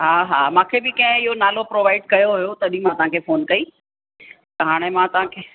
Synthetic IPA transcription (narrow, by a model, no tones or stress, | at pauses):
ɦaːɦaːmãːkʰebɪkɐ̃ɦɪ̃ɪɦonaːlopɾoːʋaːɪɖkɐjoɦʊjot̪ɐɐɗĩmãt̪ɐʋ̤ãkʰefoːnkɐi | t̪ɐɦaːɽ̃emãt̪ɐʋãkʰeː